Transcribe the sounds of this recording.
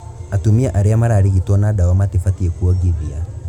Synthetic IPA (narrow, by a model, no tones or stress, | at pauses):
atumiaʔaɾeamaɾaːɾiɣitwɔnadawamatifatiɛkuɔɡiβia